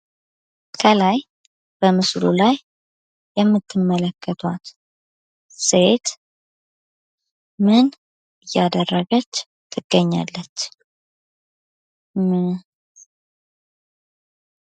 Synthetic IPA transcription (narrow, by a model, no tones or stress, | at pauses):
kʰəlaj | b̥əmɨslṵlajː | ɛmːɨt̪ʰːɨmːələkːət̪ʰwat̪ | set̪ | mɨn | ɨjːad̪ərːəɡət͡ʃː | t̪ʰːɨɡ̥ːəɲːa̰lːət͡ʃː | mɨ